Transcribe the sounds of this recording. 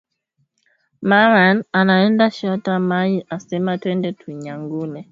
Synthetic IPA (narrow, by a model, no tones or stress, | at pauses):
maŋananaɛndaʃɔtamajiʔasɛmatwɛndɛtʰuɲaŋɡunɛ